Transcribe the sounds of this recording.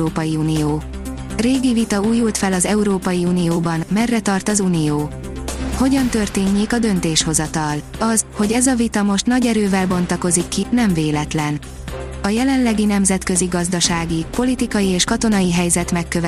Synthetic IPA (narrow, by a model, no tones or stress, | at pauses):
oːpɒjiuːnijoː | reːɡivit̪ɒuːjːult̪fɛlɒzɛuɾoːpɒjiuːnijoːbɒnmɛrːɛt̪ɒrt̪ɒzuːnijoː | ho̞ɟɒnt̪ø̞rt̪eːɲːeːkɒd̪ø̞nt̪eːʃho̞zɒt̪ɒlɒzho̞ɟɛzɒvit̪ɒmo̞ʃt̪nɒɟɛɾøːvɛlbo̞nt̪ɒko̞zikːinɛɱveːlɛt̪lɛn | ɒjɛlɛnlɛɡinɛmzɛt̪kø̞ziɡɒzd̪ɒʃaːɡipo̞lit̪ikɒjieːʃkɒt̪o̞nɒjiɦɛjzɛt̪mɛkːøv